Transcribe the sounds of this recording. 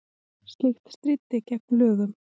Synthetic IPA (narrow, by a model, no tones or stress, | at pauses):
st̪lɪxt̪st̪ɾit̪ːɪcɛk̚nlœːɣʏm